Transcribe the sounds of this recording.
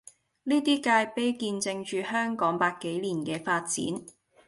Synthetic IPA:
niː˥t̪iː˥kaː˧jpe˥jkiː˧nt͡sɪ˧ŋt͡ʃyː˧hœː˥ŋkɔː˨˥ŋpaː˧kːe˨˥jliː˨˩nkɛː˧faː˧t̚t͡sḭː˨˥n

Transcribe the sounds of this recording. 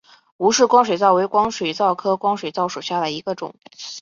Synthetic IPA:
u˧˥ʂɻ̩˥˩kwɑ˥ŋʂwe˨˩t͡sɑ˥˩ʊwe˧˥ɪkwɑ˥ŋʂwe˨˩ɪt͡sɑ˥˩ʊkʰɤ˥kwɑ˥ŋʂwe˨˩ɪt͡sɑ˥˩ʊʂu˨˩ɕja˥˩d̪ə˩i˧˥ɡə˧ʈ͡ʂʊ̰˨˩˦ŋ

